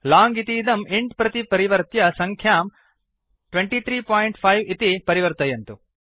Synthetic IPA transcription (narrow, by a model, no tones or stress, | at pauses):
laːŋɡit̪iːd̪ɐmiɳɖpɾɐt̪ipɐɾiʋɐɾt̪jɐsɐŋkʰjaːm | ʈʋeɳʈiːt̪ʰɾiːpaːjɳʈpʰɐjʋit̪ipɐɾiʋɐɾt̪ɐjɐnt̪u